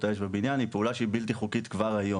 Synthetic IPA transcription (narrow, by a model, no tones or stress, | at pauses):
t̪ajeʃbebinjanipeulaʃeibilt̪iχukit̪kvaʁajo